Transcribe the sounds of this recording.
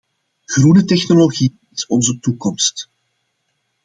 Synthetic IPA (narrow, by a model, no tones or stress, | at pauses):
ɣrunətɛxnoloɣi | ɪsɔnzətukɔmst